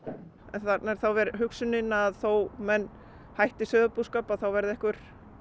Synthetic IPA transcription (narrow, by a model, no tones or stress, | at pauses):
ɛnθat̪naɾ̥θawvɛɾɦʏksʏnɪnaðθowmɛnː | hajht̪ɪsœːðʏpuskaːpaðθawvɛɾðɪɛhkvʏɾ̥